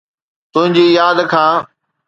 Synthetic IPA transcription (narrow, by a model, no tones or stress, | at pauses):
t̪ʊ̃ɦɪ̃ɲd͡ʑiːjaːd̪kʰãː